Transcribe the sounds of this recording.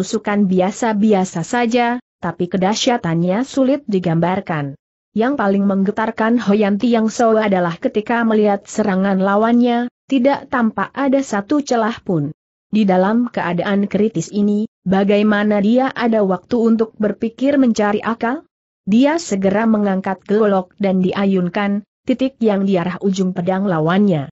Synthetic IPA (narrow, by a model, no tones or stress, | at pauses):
usukanbiasabiasasad͡ʒat̪apikədaʃiat̪anɲasulɪt̪̚diɡambarkan | jaŋpalɪŋməŋɡət̪arkanhojant̪ijaŋsoadalahkət̪ikaməliɦat̪̚səɾaŋanlawanɲat̪idaʔt̪ampaʔʔadasat̪ut͡ʃəlahpʊn | didalamkəʔadaʔankɾit̪ɪsinibaɡajmanadiaʔadawak̚t̪uunt̪̬ʊk̚bərpikɪrməɲt͡ʃaɾiʔakal | diasəɡəɾaməŋaŋkat̪̚ɡəllɔk̚dandiʔajʊŋkan | t̪it̪ɪk̚jaŋdiaɾahʔud͡ʒʊŋpədaŋlawanɲa